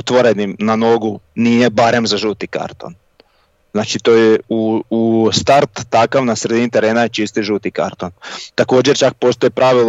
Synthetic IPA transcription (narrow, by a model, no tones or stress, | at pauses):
ot̪ʋoɾe̞nimnano̞ɡunije̞baɾe̞mzaʒut̪ika̰ɾt̪o̞̰n | znaːt͡ʃit̪ojeuust̪aɾt̪ːakaʋnasɾe̞d̪init̪e̞ɾe̞ːnajet͡ʃist̪iʒut̪ika̰ɾt̪ont̪ako̞ːd͡ʑeɾt͡ʃak̚po̞ːst̪ojipɾʔaʋil